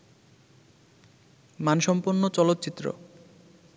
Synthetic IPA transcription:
manʃɔmpunːot͡ɕɔlot̪ːt͡ɕit̪ːɾo̰

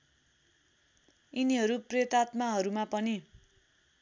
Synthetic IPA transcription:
iniɦʌɾuprjʌt̪at̪maɦʌɾumapʌni

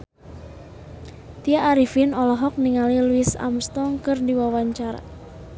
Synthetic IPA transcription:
t̪iaʔːɾifinɔlɔɦɔk̚niŋaliluɪsa̰mst̪ɔŋkərdiwawaɲt͡ʃaɾa̰

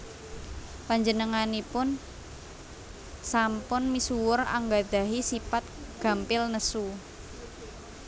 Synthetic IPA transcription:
paɲd͡ʒənəŋanipʊn | sampʊnmisuwʊra̰ŋɡad̪̥a̤ɦisipat̪̚ɡ̥a̤mpɪlnəsu

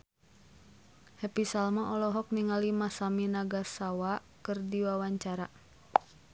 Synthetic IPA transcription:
hɛpisalmaʔɔlɔɦɔk̚niŋalimasaminaɡasawakɨrdiwawaɲt͡ʃaɾa

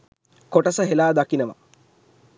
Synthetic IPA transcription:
koʈəsəɦelaːd̪akinəʋa̰

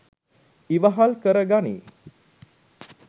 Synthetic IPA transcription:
iʋəɦalkəɾəɡanḭː

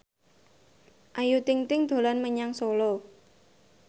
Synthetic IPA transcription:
ʔajut̪ɪŋt̪ɪŋd̪̥o̤lanməɲaŋsolɔ

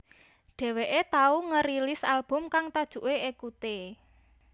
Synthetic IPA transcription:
ɖ̥ɛ̤weʔet̪auŋəɾilɪsalb̥ʊ̤mkaŋt̪ad̥ʒ̥ṳʔweʔekut̪e

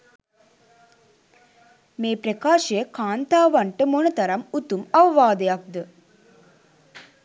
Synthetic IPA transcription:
meːpɾɐkaːʃɐjəkaːnt̪aːʋɐɳʈɨmonɐt̪ɐɾɐmut̪umɐʋɐʋaːd̪ɐjɐk̚d̪ə

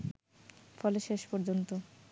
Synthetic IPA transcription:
fɔleʃeʃpɔɾd͡ʑont̪o

